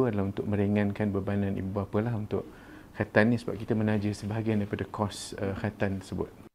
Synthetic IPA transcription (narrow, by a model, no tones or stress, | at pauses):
uadalaɦunt̪ʊk̚mə̃ɾeŋãnkanbərbanãnḭbuapəlahunt̪ʊʔ | kat̪annĩsəbap̚kit̪əmə̃nãd͡ʒəsəbaɦaɡajandaɾipadakʰɔsəkat̪ant̪əsəbʊ̰t̪̚